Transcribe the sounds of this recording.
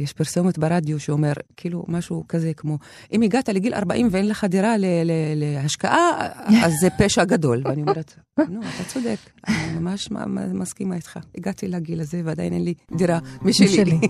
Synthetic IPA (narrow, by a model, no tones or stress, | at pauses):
jeʃpiɾsomot̪beʁad̪joʃeome̞ʁkiːlumaʃukazekmo̞ | ʔimiɡat̪aleɡila̰ʁba̰ʔimveenleχad̪iɾalelelehaʃkaʔaazːepeʃaɡado̞lvmeaniome̞ʁet̪nuat̪at͡sod̪ek | animamaʃma̰ma̰maskimait̪χaiɡatilaɡilazevead̪a̰jnʔenlid̪iʁamiʃeli